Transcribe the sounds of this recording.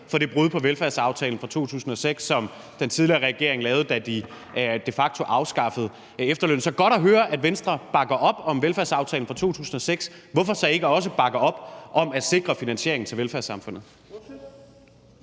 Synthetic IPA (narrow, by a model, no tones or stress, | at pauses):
fɒ̽d̥e̝b̥ʁuðˠpʰɒ̽ʋelfæɐ̰sɑ̈ʊt͡sʰɛːln̩fʁɑ̈t͡sʰo̝̰ːt͡sʰṵːsn̩ɒ̽seɡ̥sːɒ̽m | d̥ent͡sʰiðˠliɐːʁɛɡ̥e̝ɐe̝ŋlɛːʊð̞̩ˠd̥æd̥i | d̥e̝fɑ̈ɡ̥̚t͡sʰo̝ʔɑ̈ʊsɡ̥ɑ̈fəð̞̩ˠ | efd̥ɐlø̰ːn̩sɒ̽ɡ̥ɒ̽ɾ̥æɦøːɐʔæd̥ʋensd̥ʁɐb̥ɑ̈ɡ̥ɐʔɒ̽b̥ɒ̽mʋelfæɐ̰sɑ̈ʊt͡sʰɛːln̩fʁɑ̈t͡sʰo̝̰ːt͡sʰṵːsn̩ɒ̽seɡ̥sʋɒ̽fɒ̽sɒ̽e̝ɡ̥əɒ̽s̬əb̥ɑ̈ɡ̥ɐɒ̽b̥ʔɒ̽mæd̥se̝ɡ̥ʁɐfinænɕe̝ɐeŋn̩t͡sʰe̝ʋelfæɐsɑ̈mfɔ̽n̰ð̩ˠ